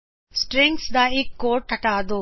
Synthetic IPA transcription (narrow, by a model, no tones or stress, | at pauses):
sʈɾẽŋksd̪aːikːoːɾʈɐʈaːd̪oː